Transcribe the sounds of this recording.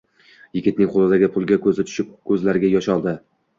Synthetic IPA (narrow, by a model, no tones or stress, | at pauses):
jɪɡʲɪt̪̚nɪŋqʰolˠɪd̪aɡʲɪpʰʊlˠɡʲakʰɵzɪt̪ʰʊ̥ʃɪp̚kʰɵzlaɾɪɡʲajɒʃɒlˠd̪ɪ